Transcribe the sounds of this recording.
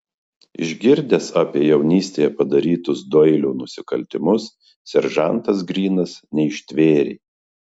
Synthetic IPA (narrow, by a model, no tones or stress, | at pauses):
ɪ̰ʒʲɡʲɪɾʲd̪ʲesɑːpʲiɛjɛʊnʲiːsʲt̪ʲeːjɛpɐd̪ɐɾʲiːt̪ʊsd̪ɔɪlʲuːnʊsʲɪkɐlʲt̪ʲɪmʊs | sʲɛɾʒɐˑnt̪ɐs̬ɡɾʲiːnɐsnʲɛɪʃʲt̪ʲʋʲeːɾʲḛː